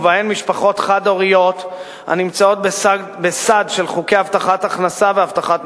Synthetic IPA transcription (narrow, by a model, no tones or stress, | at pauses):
vaenmiʃpaχo̞t̪χad̪o̞ʁio̞t̪ | ha̰nimt͡sao̞t̪̚b | besad̪ʃelχukejavt̪aχat̪aχnasaveavt̪aχat̪